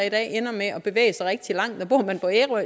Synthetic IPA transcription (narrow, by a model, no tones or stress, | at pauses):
id̥ɛ̰ːenɐmeɒ̽b̥e̝ʋḛːɪəsɑ̈ɪʁɛɡ̥̚d̥ilɑ̈ŋ̰d̥nɒ̽b̥o̝ɐ̰mænpʰɒ̽eʁo